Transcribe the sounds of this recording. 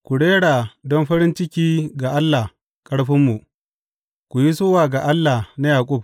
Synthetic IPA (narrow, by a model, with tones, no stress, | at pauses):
kʷu˨ɽeː˦ɽa˨dɔ˦mɸɐ˦ɾɪ˦nt͡ʃɪ˦kʲiː˦ɡa˨ʔa˦lːa˨h | kʼɐ˦ɽɸɪ˦mːu˨ | kʷu˨ji˦soː˦waː˨ɡa˨ʔa˦lːa˨hna˦jaː˨kʷʼʊ˦˨b̚